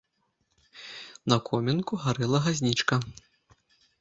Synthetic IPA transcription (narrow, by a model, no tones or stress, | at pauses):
nɐkʰɔmʲɛnkuɣaɾɨlˠɐɣazʲnʲit͡ʂkɐ